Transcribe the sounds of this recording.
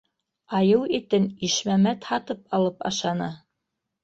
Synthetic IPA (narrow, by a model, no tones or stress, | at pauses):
ɑjɤwit̪ɘniʃmæmæt̪hɑt̪ɤpɑlˠɤpɑ̰ʃɑnɤ